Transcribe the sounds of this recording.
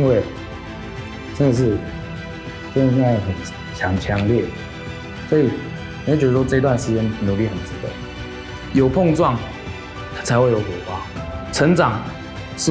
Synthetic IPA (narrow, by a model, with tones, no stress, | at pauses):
nwe˥˩ɪ | ʈ͡ʂə˥nd̪ə˨ʂ̬ɻ̩˥˩ | ə˥˧˩na˥˩˨xə˨˩n | t͡ɕʰjɑ˧˥ŋt͡ɕʰjɑ˧˦ŋljɛ˥˩ | swɔ˧˥i˨˩ | n˨i˨˧˥t͡ɕɥ̪ə˧ʂwɔ˥ɤ˥˧i˧t̪wa˥˩nʂɻ̩˧˥t͡ɕjɛ˧˦nnu˨˩li˥˩xə˨˩nt͡s̩˥kwḛ˥˩ɪ | jo˨˩ʊpʰɔ˥˧ŋt͡swɑ˥˨ŋ | t͡sʰa˧˥ɪwe˥˩ɪjo˨˥ʊkə˨˩xwa˥˦t͡sʰə˧˥ŋt͡sɑ˨˩ŋ | ʂɻ̩˥˩